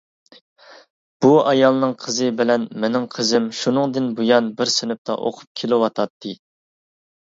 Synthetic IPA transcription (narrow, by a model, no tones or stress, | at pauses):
b̥uɑjɑlˠnɨŋqʰəzɨbɪlɛnmenɪŋqʰəzɪmʃunɨŋd̪ɨnbujɑnbɪɾsɪnɪp̚t̪ʰɑ̰ʔo̰qʰʊ̥p̚kʲʰelɪwɑt̪ʰɑt̪ʰːɨ